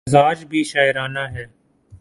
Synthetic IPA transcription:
zaːd͡ʒbʱiːʃaːɪɾaːnaːɦɛː

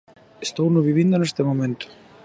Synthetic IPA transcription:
st̪oːwnʏvivinːʏnast̪ɛmowmɛnt̪ʏ̥

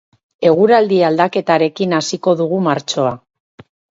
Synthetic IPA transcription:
e̞ɣ̞uɾald̪iald̪ake̞t̪aɾe̞kinasiko̞ðuɣumaɾt͡ʃo̞a

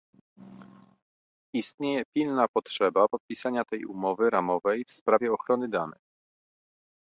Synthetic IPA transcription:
ist̪ɲejɛpʲilnapɔtʂɛbapɔt̪̚pʲisaɲat̪ɛjṵmɔvɘɾamɔvɛjfspɾavʲjɛɔxɾɔnɘd̪anɛ̰x

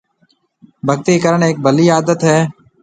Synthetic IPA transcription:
bʱəɡt̪iːkəɾəɳeːk̚bʱəliːaːd̪ət̪ɦɛː

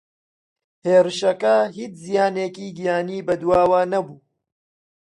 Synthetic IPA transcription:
heːɾɨʃɐkɐɦiːt͡ʃzijaːneːkiːɡijaːniːbɐd̪uwaːwaːnɐbuː

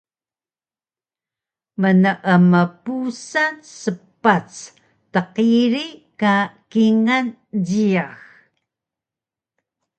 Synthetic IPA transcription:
mənəʔəməpusansəpat͡s | təqiɾikakiŋan | diax

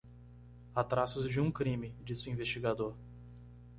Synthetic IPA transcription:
at̪ɾasʊzd͡ʒɪũkɾĩmɪd͡ʒisʊĩvest͡ʃiɡad̪oɾ

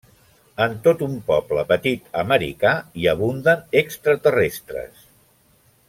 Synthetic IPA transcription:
ənt̪ot̪umpɔpləpət̪it̪əməɾḭkaiəβund̪ənekst̪ɾət̪ərest̪ɾə̰s

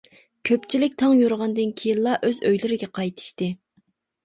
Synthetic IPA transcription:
kʲʰøpt͡ʃʰilɪk̚ʲt̪ʰɑŋjuɾʁɑnd̪ɨnkʲʰijinlˠɑʔøzøjlyɾɪɡʲɛqʰɑjt̪ʰɨ̥ʃt̪ɨ

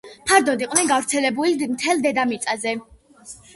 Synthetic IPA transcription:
pʰaɾd̪ɔd̪iqʼnɛnɡavɾt̪sʰɛlɛbulimt̪ʰɛlˠd̪ɛd̪amit̪sʼazɛ

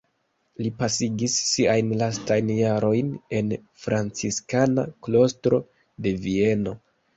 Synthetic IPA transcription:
lipasiɡisːiajnlastajnjaɾo̞jne̞n | fɾant͡siskana̰klo̞stɾo̞̰ | de̞vie̞no̞

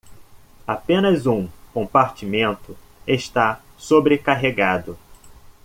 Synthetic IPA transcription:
apẽnɐzũkõmpaɾt͡ʃimẽnt̪ʊ | eʃt̪a | sobɾekaɦeɡad̪ʊ

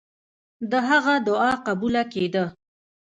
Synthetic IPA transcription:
d̪əɦaɣad̪ʊɑqabulaked̪ə

